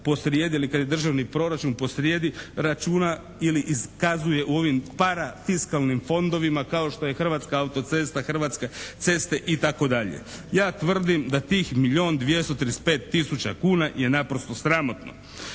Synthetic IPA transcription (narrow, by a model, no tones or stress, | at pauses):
po̞sɾjeːd̪iilikad̪je̞d̪r̩ʒaʋnipɾo̞ɾat͡ʃunpo̞sɾjeːd̪iɾat͡ʃuːna | iliʔiskazuje̞ʔuo̞ʋimpaɾafiskalˠnimfo̞nd̪o̞ʋimakao̞ʃt̪o̞je̞xr̩ʋaːt̪skaaut̪o̞t̪se̞st̪axr̩ʋat̪skat̪se̞st̪e̞ʔit̪ako̞d̪aʎḛjaːt̪ʋr̩d̪imd̪at̪iːxmiʎio̞ːnd̪ʋje̞st̪ot̪ɾspe̞ːt̪ːisut͡ɕakuːnaje̞napɾost̪o̞sɾamo̞t̪no̞̰